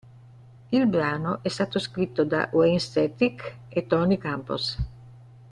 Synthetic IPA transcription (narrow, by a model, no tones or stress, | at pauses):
ilbɾaːnoʔɛst̪aːt̪oskɾit̪ːod̪a̰ʔwenst̪ɛt̪iket̪ːɔnikampo̰s